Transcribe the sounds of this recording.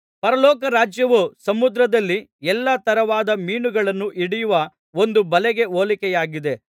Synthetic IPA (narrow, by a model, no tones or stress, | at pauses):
pɐɾɐlɔːkɐɾaːd͡ʒjɐʋusɐmud̪ɾɐd̪ɐlːiɛlːɐt̪ɐɾɐʋaːd̪ɐmiːɳuɡɐɭɐnːuʔiɽijuʋɐ | o̞nd̪ubɐlɛɡe̞oːlikɛjaːɡid̪e̞